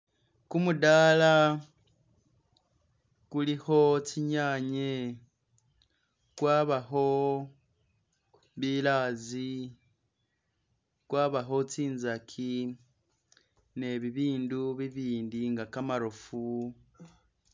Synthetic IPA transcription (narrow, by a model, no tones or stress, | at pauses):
kumudaːla | kuliho̞t͡ʃiɲaɲe | kwaːβaɦo̞ | βilaːzi | kwaːβaɦo̞t͡siːnzakʰi | ne̞βiβiːnduβiβiːndiŋɡakamaɾofu